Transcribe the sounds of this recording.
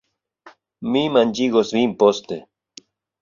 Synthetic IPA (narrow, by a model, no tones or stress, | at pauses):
mimand͡ʒiɡosimpost̪e